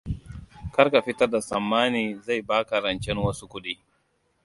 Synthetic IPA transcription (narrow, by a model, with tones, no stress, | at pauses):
kɐ˦rka˨ɸɪ˦tɐ˦rda˨sɐ˨mːaː˦niː˨za˦˨jbaː˦kɐ˨ɾɐ˨nt͡ʃɛ˦nwɐ˦su˦kʷʊ˦ɗiː˦